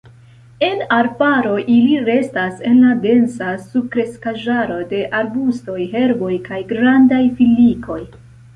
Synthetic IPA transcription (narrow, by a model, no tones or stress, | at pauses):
e̞naɾpaɾo̞ʔiliɾe̞stase̞nlade̞nsasubkɾe̞skaʒaɾo̞de̞ʔaɾbusto̞jɦe̞ɾbo̞jkajɡɾandajfilːikʰo̞j